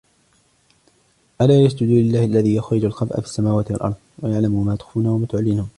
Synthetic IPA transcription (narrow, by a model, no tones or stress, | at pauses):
ʔalaːjasd͡ʒʊd̪uːlɪlːaːhʔalːaðiːjaxɾɪd͡ʒalqɑbʔa̰fɪ̥sːamaːwaːt̪ɪwalʔɑ̰ɾˤd̪ˤwajaʕlamʊmaːt̪ʊ̥xfuːnawamaːt̪ʊʕalːɪnuːn